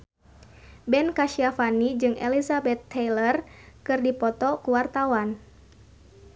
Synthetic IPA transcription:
bɛnkaʃiafanid͡ʒɨŋʔɛ̰lisabɛt̪ːɛjlərkɨrdipɔt̪ɔkuwart̪awan

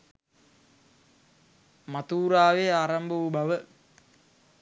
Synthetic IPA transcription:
mat̪uːɾaːʋeaːɾambəubaʋə

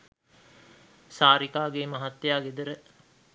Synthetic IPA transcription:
saːɾikaːɡeːmaɦat̪ːjaːɡed̪əɾə

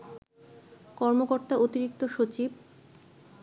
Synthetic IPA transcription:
kɔɾmokoɾt̪aʔot̪iɾik̚t̪oʃot͡ɕib

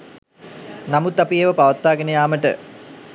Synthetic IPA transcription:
namut̪ːapijeʋəpaʋət̪ːaːɡenəjaːməʈə̰

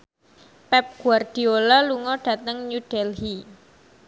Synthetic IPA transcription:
pɛp̚ɡ̥uard̥i̤olaluŋɔɖ̥ä̤t̪əŋɲuɖ̥ɛlɦi

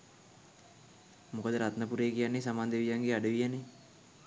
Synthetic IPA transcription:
mukəd̪əɾat̪nəpuɾeːkijanːesamaːnd̪eʋijaŋɡeaɖəʋijəne

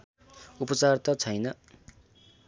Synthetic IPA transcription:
upʌt͡sart̪ʌt͡sʰʌjnʌ

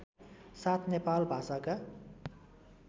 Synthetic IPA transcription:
sat̪ʰnepalbʱasaka

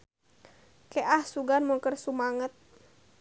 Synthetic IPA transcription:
keʔahsuɡanmuŋkərsumaŋət̪̚

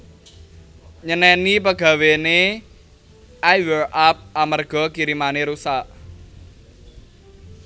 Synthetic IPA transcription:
ɲənɛnip̬əɡ̥ä̤wene | ʔajwərʔap̚amərɡ̥ɔ̤kiɾimaneɾusaʔ

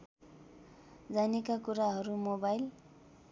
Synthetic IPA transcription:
d͡zanekakuɾaɦʌɾumobajl

